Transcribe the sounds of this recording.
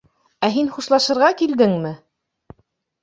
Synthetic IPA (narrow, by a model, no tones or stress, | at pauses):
æɦinχuʃlˠɑʃɤ̆ɾʁɑkild̪ɘŋmɘ